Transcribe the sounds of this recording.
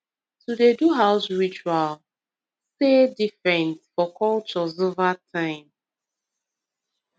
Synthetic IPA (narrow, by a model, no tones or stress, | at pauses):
tudeduɦaʊsɹit͡ʃual | sedifɹɛ̃nsfɔkʰɔlt͡ʃɔzovatʰãɪ̃m